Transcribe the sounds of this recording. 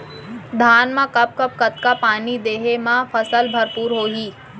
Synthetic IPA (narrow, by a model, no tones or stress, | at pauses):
d̪ʱaːnmãkɐp̚kəp̚kɐt̪kapaːnid̪eːɦemãfʰɐsəlbʱɐɾpuːɾɦoːɦiː